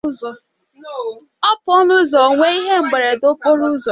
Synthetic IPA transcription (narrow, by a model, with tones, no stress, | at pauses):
zɔ˨ | ɔ˦pʊ˦ɔ˦nu˦zɔ˨ŋʷe˦i˦ɦe˦ŋ͡m̩˨ɡ͡be˨ɾe˨do˦po˦ɾu˦zɔ˨